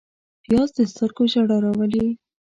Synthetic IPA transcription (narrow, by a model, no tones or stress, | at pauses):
pijɑzd̪əst̪əɾɡoʒaɽɑɾawəli